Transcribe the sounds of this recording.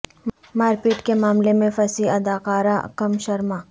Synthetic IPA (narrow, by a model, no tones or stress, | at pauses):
maːɾpiʈkemaːmlemẽfɐsiɐd̪aːqaːɾa̰kɐmʃɐɾmaː